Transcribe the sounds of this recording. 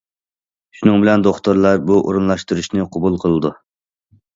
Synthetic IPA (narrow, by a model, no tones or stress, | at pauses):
ʃunɨŋbɪlɛnd̪oχt̪oɾlˠɑɾbuʔo̰ɾunlˠɑʃt̪ɨɾuʃnɨqʰɑbulˠqʰəlˠɨd̪u